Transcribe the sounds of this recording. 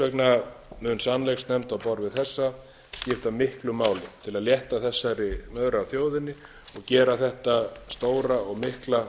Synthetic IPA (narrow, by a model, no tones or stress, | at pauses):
œknamʏːnsanlexsnɛmt̪awpɔɾvɪðθɛsːa | scɪft̪amɪhklʏmaːwlɪt̪ʰɪlaðljɛht̪aθɛsːaɾɪmœðɾːwθjoːwðɪnːɪ | ɔɣcɛːɾaθɛht̪ast̪oːwɾaɔɣmɪhkla